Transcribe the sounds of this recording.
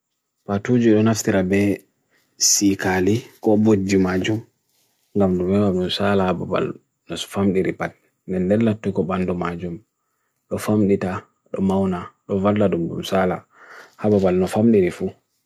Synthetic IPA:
patud͡ʒiɗɔnaftiɾabɛ | sikalikɔbod͡ʒːimad͡ʒum | ŋɡamɗumɛɡamɗumsalahababa̰l | nɔfamɗiɾipat̚ | ndɛndɛlːatːɔkɔbandɔmad͡ʒum | ɗɔfamɗita | ɗɔmawnaɗɔvaldadumɗṵmsala | hababalnɔfamɗiɾifu

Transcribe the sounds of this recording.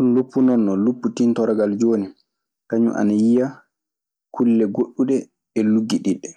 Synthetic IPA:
sunlupːunɔnːɔlupːutintɔɾaɡald͡ʒoːni | kaɲṵʔa̰najija | kʰulːɛɡoɗːuɗɛ | ɛluɡːiɗiɗːɛ

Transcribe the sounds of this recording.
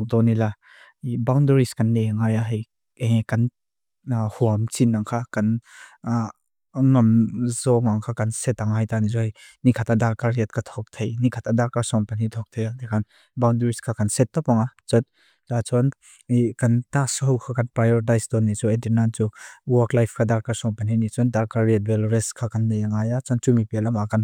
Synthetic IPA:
k̚dɔnila | ibawndəɾiskɐnleaŋajaɦij | ekɐn | huamt͡sinːaŋkʰakɐn | ŋɐmzɔŋaŋkʰakɐnsɛt̪aŋajt̪anizɔjnikʰat̪adalkaɾiat̚kat̪ʰɔk̚t̪ʰejnikʰat̪adalkaɾsɔŋpanit̪ʰɔk̚t̪ʰejadekʰan | bawndɾiskʰakʰansetːɔpaŋat͡ʃɔn | tat͡ʃɔn | kantasɔɦwkʰakʰanpɾajɔɾdajsdɔnːit͡ʃɔedinant͡ʃuwɔklajpʰkʰadaɾkasɔŋpanhinit͡ʃɔndaɾkaɾiet̚belɾeskʰakʰanːajaŋajat͡ʃɔnt͡ʃumipelamakan

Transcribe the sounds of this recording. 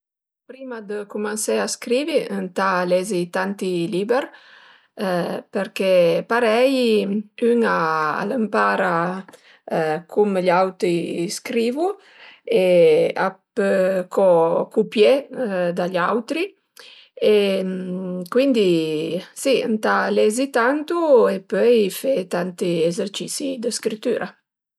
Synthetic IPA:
pɾimad̪əkumansɛaskɾiːviənt̪alɛzit̪ant̪iliːbɛɾ | pəɾkɛpaɾɛjyŋaa̰ləmpaːɾa | kʰumʎawt̪ɾiskɾiːvu | eapəkʰɔkupjɛd̪aʎawt̪ɾi | e | kwind̪isiant̪alɛzit̪ant̪uepœjfet̪ant̪iezeɾt͡ʃisid̪əskɾit̪ːy̰ːɾʔa

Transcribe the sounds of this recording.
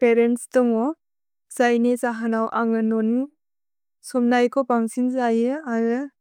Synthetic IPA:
peɾenstɔŋɔ | zajnezaɦanawʔaŋɯnɔn | sɔmnajkʰɔpaŋsinzajɯaɾɯ

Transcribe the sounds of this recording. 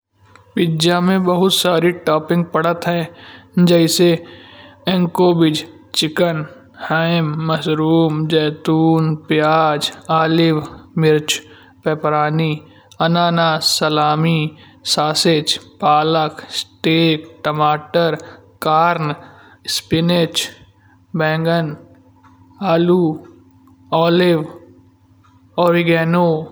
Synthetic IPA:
pɪd͡ʒjamẽbəɦʊt̪saːɾiʈaːpɪ̃ŋɡ̚pɐɽ̤ət̪ɦɛ̃ːd͡ʒɛːɪse | ɛ̃ŋkoːbɪd͡ʒ | t͡ʃɪkən | haːɪmːɐsɾuːmd͡ʒɛːt̪uːnpjaːd͡ʒaːlɪʋmɪɾt͡ʃ | pɛːpɾaːni | ɐnaːnaːsɐlaːmi | saːsɪt͡ʃpaːləksʈeːkʈəmaːʈəɾ | kaːɾn | spɪnet͡ʃ | bɛ̃ːŋɡən | aːluː | ɔːlɪʋ | oːɾɪɡeːnoː

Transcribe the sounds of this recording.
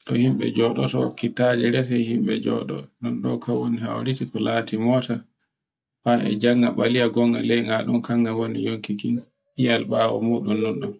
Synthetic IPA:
ɗɔhimɓɛ̰d͡ʒɔɗɔtɔkitːad͡ʒɛɾɛsɛjhimɓɛ̰d͡ʒɔ̰ɗɔ̰nɔnɗɔkawwoniha̰wɾitikɔlaːtimɔːta | faɛ̰d͡ʒaŋːaɓalijaɡɔŋɡa̰lɛjŋaɗumkaŋːɡawonḭjoŋkikin | hijalɓaːwɔ̰muːɗunnunɗɔ

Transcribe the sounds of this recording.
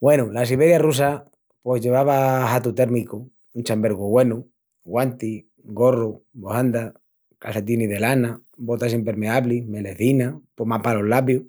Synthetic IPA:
bwe̞nulasiβeɾjarus̬a | pwe̞zʝe̞β̞aβaɦat̪ut̪e̞ɾmiko | unt͡ʃambe̞ɾɣoɣwe̞nu | ɡɣwant̪i | ɡo̞robohand̪a | kaset̪̬iniðe̞lana | bot̪asimpeɾmeaβlimeleθinapomapalo̞lapju

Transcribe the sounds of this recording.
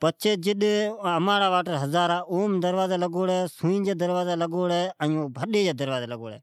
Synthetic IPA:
pət͡ʃʰeːd͡ʒɪɗəmaːɽaːʋaːʈəɾɦəzaːɾaːʔoːmd̪əɾʋaːzaːləɡoːɽɛːsũːĩːd͡ʒeːd̪əɾʋaːzaːləɡoːɽɛːə̃õbʱəɗeːd͡ʒeːd̪əɾʋaːzaːləɡo̰ːɽɛ̰ː

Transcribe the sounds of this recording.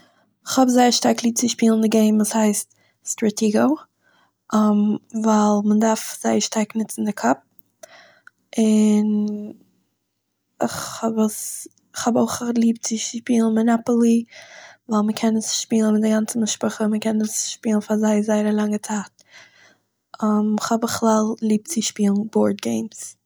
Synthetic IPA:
ɪχhɔbzaɪəɾʃtaɾklˠiːp̚t͡sɪʃpiːlˠən̩dɪɡeɪmvuːshaɪst | stɹatʰiːɡoʊ | amvalˠmədaɾfz̥aɪəɾʃtaɾknɪt͡sn̩dɪkʰɔp̚ | ʔɪn | ɪχhɔbəs | χhɔboʊχlˠiːp̚t͡sɪʃpiːlˠn̩mɪnapəl̩ˠivaɪlˠməkʰɛnəsʃpiːlˠən̩mɪt̚dɪɡant͡sən̩mɪʃpʊχəməkɛnəsʃpiːlˠnfazaɪzaɪəɾəlˠaŋət͡saːt̚ | ʔamɪχhɔbəχlˠalˠlˠiːp̚t͡sɪʃpiːlˠn̩bɔːɾd̚ɡeɪms

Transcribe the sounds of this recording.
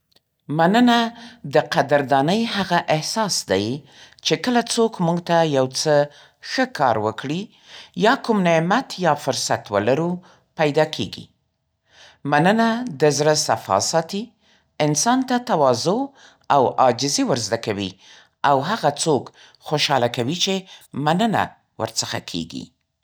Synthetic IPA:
manənad̪əqad̪əɾd̪ɑnəjhaɣaʔɪhsɑsd̪a̰j | t͡ʃekəlat͡sokmuɡt̪ajawt͡sə | xəkʰɑ̰ɾwəkɽi | jɑkumnemat̪jɑfʊɾsat̪wə̰laɾu | pajd̪ɑkʰḛɡḭ | manənad̪əzɾəsafɑ̰sɑt̪i | ɪnsɑnt̪at̪awɑzo | awɑd͡ʒɪzewəɾzd̪akawḭ | awɦaɣat͡sok | xoʃɑlakawit͡ʃemanəna̰ | wə̰ɾt͡səxa̰kʰḛɡḭ

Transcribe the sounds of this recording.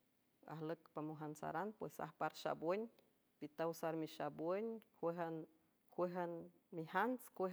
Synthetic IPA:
a̰hləkpamuɦansa̰ɾanpwesa̰hpaɾʃa̰bwəɲ | pit̪awsaɾmiʃabwəɲkhweɦan | hwʷeɦan | mihanskʷe

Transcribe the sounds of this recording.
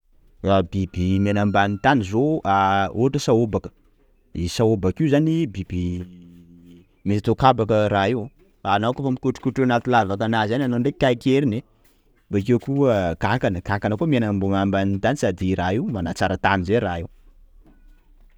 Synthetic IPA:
rabibimenambanint̪anizoʔaoɦaʈ͡ʂəsaobakə̥ | isaobakizanibib̥i | misit̪okabakəɾaiw | anakofamikuʈ͡ʂi̥kuʈ͡ʂenat̪ulavat̪anazananoɳɖ͡ʐekʲajkʲeɾine | bak̬ewkuəkakanəɡakanəkumianambuŋambanit̪anisad̪iɾaiwmanat͡saɾət̪anizeɾaiw

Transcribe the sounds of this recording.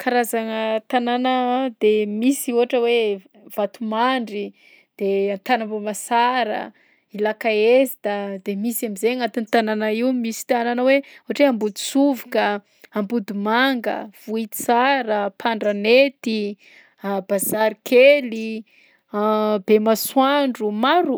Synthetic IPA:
kʰaɾazaŋət̪ananad̪emisiuɦaʈ͡ʂəwe | v̥at̪umaɳɖ͡ʐi | d̪̥eant̪anabomasaɾə̰ | ilakaezid̪ad̪emisamizeŋat̪init̪ananaiwmisi̥t̪ananəweuɦaʈ͡ʂeambud̪u̥suvikə | ambud̪umaŋɡə̰v̥uit̪i̥saɾəpʰaɳɖ͡ʐanet̪i | b̥azaɾikʰeli | bemaswaɳɖ͡ʐumaɾu

